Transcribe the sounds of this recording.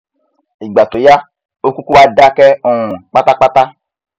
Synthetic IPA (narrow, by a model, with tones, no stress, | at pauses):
i˨ɡ͡ba˨to˨ja˦ | o˦ku˦ku˦wa˧da˦kɛ˦ɔ˨ũ˨k͡pa˦ta˦k͡pa˦ta˦